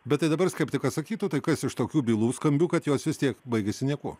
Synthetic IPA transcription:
bʲɛt̪t̪ːɐɪd̪ɐbɐɾskɐɪpt̪ʲɪkɐtsɐkʲiːt̪ʊt̪ɐɪkɐsɪʃt̪oːkʲuːbʲiːlˠuːskɐmʲbʲuːkɐt̪joːsʋʲɪst̪ʲiɛkbɐɪɡʲɛsʲɪnʲiɛkuː

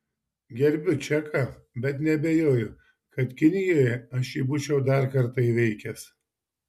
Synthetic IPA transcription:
ɡʲɛɾʲbʲʊt͡ʃʲækɐ | bʲɛt̪nʲɛbʲejoːjʊ | kɐt̪kʲɪnʲɪjoːjɛɐʃjiːbuːt͡ʃʲɛʊd̪ɑɾkɐɾt̪ɐiːʋʲɛɪkʲɛs

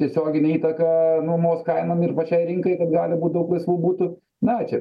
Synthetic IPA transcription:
t̪ʲiɛsʲoːɡʲɪnʲɛiːt̪ɐkɐnuɔmoːskɐɪnɐmɪrpɐt͡ʃʲɛɪɾʲɪŋkɐɪkɐt̪ɡɑːlʲɪbuːt̪̚d̪ɐʊklˠɐɪsʋuːbuːt̪ʊ | nɐt͡ʃʲɛ̰

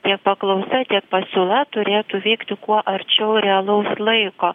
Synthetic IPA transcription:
t̪ʲiɛk̚pɐklˠɐʊsɐt̪ʲiɛk̚pɐsʲuːlˠɐt̪ʊɾʲeːt̪ʊʋʲɛɪkt̪ʲɪkuɔʔɐɾʲt͡ʃʲɛʊɾʲɛɐlˠɐʊslˠɐɪkoː

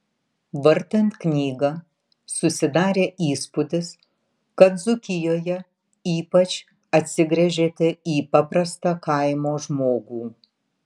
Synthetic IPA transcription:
ʋɐɾʲt̪ɐnt̪knʲiːɡɐ | sʊsʲɪd̪ɑːɾʲeːʔiːspʊd̪ʲɪs | kɐt̪zʊkʲɪjoːjɛ | iːpɐt͡ʃʲ | ɐt̪ʲsʲɪɡɾʲɛʒʲeːt̪ʲɛiːpɐpɾɐst̪ɑkɐɪmoːʒmoːɡuː

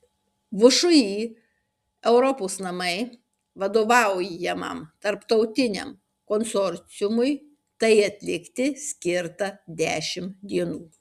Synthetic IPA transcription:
ʋʊʃʊjiː | ɛʊɾɔpoːsnɐmɐɪ | ʋɐd̪oːʋɑˑʊjɛmɐ̰mt̪ɐɾpt̪ɐʊt̪ʲɪnʲɛ̰m | konsɔɾʲt̪sʲɪjʊmʊj | t̪ɐɪɐt̪ʲlʲɪkt̪ʲɪsʲkʲɪɾt̪ɐd̪ʲæːʃʲɪmd̪ʲiɛnuː

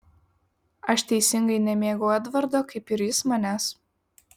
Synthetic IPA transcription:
ɐʃt̪ʲɛɪsʲɪŋɡɐɪnʲɛmʲeːɡɐːɐt̪ʋɐɾd̪oːkɐɪpɪɾjɪsmɐnʲæːs

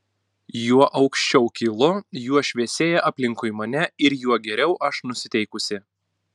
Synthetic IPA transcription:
juɔʔɒʊkʃʲt͡ʃʲɛʊkʲɪlˠʊjuɔʃʲʋʲiɛsʲeːjɛʔɐpʲlʲɪŋkʊɪmɐnʲɛɪɾjuɔɡʲɛɾʲɛʊʔɐʃnʊsʲɪt̪ʲɛɪkʊsʲɪ

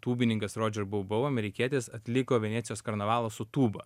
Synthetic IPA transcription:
t̪uːbʲɪnʲɪŋkɐsɾoːd͡ʒʲɛɾbɐʊbɐʊɐmʲɛɾʲɪkʲiɛt̪ʲeːsɐt̪ʲlʲɪkoːʋʲɛnʲæːt̪sʲɪjoːskɐɾnɐʋɑːlˠɐsʊt̪uːbɐ

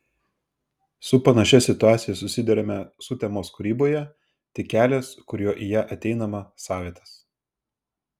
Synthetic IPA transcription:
sʊpɐnɐʃʲɛsʲɪt̪ʊɑːt̪sʲɪjɛsʊsʲɪd̪ʲɛɾʲɛmʲɛsʊt̪ʲɛmoːskʊɾʲiːboːjɛ | t̪ʲɪkʲæːlʲeːskʊɾʲjoːʔijæːʔɐt̪ʲɛɪnɐmɐsɑːʋʲeɛt̪ɐs

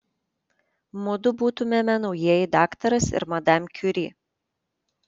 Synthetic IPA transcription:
mʊd̪ʊbuːt̪ʊmʲɛmʲɛnɒʊjiɛjɪd̪ɑːkt̪ɐɾɐsɪ̰ɾmɐd̪ɑmʲkʲʊɾʲiː

